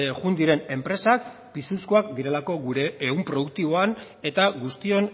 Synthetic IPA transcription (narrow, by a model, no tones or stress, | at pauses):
ɣund̪iɾe̞ne̞mpɾe̞sak̚ | pisuskoakd̪iɾe̞lako̞ɡuɾe̞eumpɾo̞ðuk̚t̪iβ̞o̞an | e̞t̪aɡust̪io̞n